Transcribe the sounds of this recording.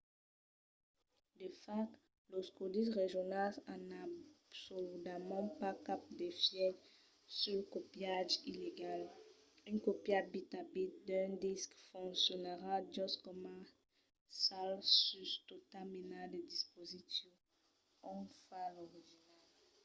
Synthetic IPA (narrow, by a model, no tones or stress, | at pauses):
d̪əfak | lɔskod̪isʁeʒjɔnasanabsolyd̪amɑ̃pakap̚d̪efjɛ | sylkɔpjaʒileɡal | ynkɔpjad̚bit̪abit̪̚d̪ɛ̃d̪iskfɔ̃ŋksjɔnəʁad̪jɔskɔma | salsyst̪ot̪aminad̪əd̪ispozitjɔ | ɔ̃falɔʁiʒinal